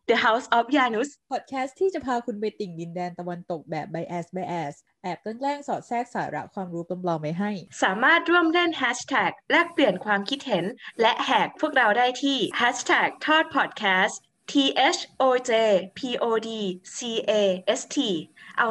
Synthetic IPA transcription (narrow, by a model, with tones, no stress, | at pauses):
d̪ə˧ɦa˦˥wsʔɔː˨˦˥p̚jaː˧nu˦˥spʰɔː˨˩t̪̚kʰɛː˦˥st̪ʰiː˥˩t͡ɕa˨˩pʰaː˧kʰu˧nbe˧t̪i˨˩ŋdi˧ndɛː˧nt̪a˧wa˧nt̪o˨˩k̚bɛː˨˩p̚ba˧jʔɛː˨˩sba˧jʔɛː˨˩s | ʔɛː˨˩p̚kɔ˧˥˩nlɛː˥˩ŋsɔː˨˩t̪̚sɛː˥˩k̚saː˩˦ɾa̰˦˥ʔkʰwaː˧mɾuː˦˥klɔ˧mlɔː˧ŋma˧˥jɦa˥˩jsaː˩˦maː˥˩t̪̚ɾu˥˩əmɾe˥˩nɦɛː˦˥t͡ɕt̪ʰɛː˨˩k̚lɛ˦˥pli˨˩ənkʰwaː˧mkʰi˦˥t̪̚he˩˦nlɛ˦˥ʔhɛː˨˩k̚pʰu˥˩ək̚ɾa˧wdaː˥˩jt̪ʰiː˥˩hɛː˦˥t͡ɕt̪ʰɛː˨˩k̚t̪ʰɔː˥˩t̪̚pʰɔ˨˩t̪̚kʰɛː˦˥s | t̪ʰiː˧ʔe˦˥t͡ɕʰʔoː˧t͡ɕeː˧pʰiː˧ʔoː˧diː˧siː˧ʔeː˧ʔe˦˥st̪ʰiː˧ʔa˧